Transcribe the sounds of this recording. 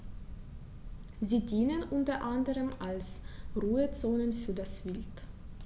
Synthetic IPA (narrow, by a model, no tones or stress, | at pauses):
ziːdiːnənʔʊntɐʔandəʁəmalsʁuːət͡soːnənfyːɐdasv̥ɪlt